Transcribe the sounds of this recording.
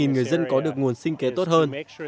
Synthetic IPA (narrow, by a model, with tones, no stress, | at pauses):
i˨˩nŋɨ˨˩əjzə˧nkɔ˨˦ɗɨ˨˩ək̚ŋu˨˩ənsï˧ŋ̟ke˨˦t̪o˦˥t̚həː˧n